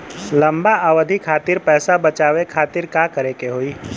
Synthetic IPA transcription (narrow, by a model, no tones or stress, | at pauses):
lɐ̃mbaəʋəd̪ʱikʰaːt̪ɪɾpɛːsabɐt͡ʃaːwekʰaːt̪ɪɾkakəɾekeɦoːiː